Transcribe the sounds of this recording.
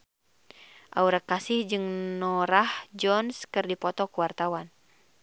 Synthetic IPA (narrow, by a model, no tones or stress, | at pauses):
ʔa̰uɾat̪̚kːasɪhd͡ʒɨŋnɔɾahd͡ʒɔnskɨrdipɔt̪ɔkuwart̪awan